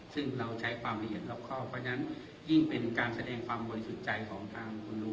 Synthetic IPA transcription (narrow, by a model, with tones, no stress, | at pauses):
sɯ˥˩ŋɾa˧wt͡ɕʰa˦˥jkʰwaː˧mla˧ɦi˨˩ət̪̚laː˦˧˩p̚kʰɔː˥˩pʰɔ˧˦˥na˦˥n | ji˥˩ŋpe˧nkaː˧nsa˧dɛː˧ŋkʰwaː˧mbɔ˧li˧˦su˨˩t̪̚t͡ɕa˧jkʰɔː˩˦ŋt̪ʰaː˧ŋkʰu˧nlu˧˦